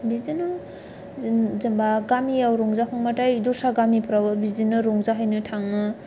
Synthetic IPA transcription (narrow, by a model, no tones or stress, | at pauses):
bizinɯ | zɯmbaɡamiawɾɔŋzakʰɔŋmatajdɔsaɡamipʰɾawɯbizinɯɾɔŋzaɦajnɯtʰaŋɯ